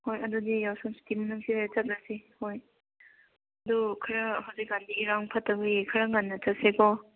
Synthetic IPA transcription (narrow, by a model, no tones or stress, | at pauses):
hojɐdudijawsɔmsi̥timɐnuŋsiet͡ʃɐt̚ɾasihoj | ɐdukʰɐɾɐhawzik̚ɡandiɡiɾaŋpʰɐtɐbiikʰɐɾɐŋanːɐt͡ʃɐt̚sekɔ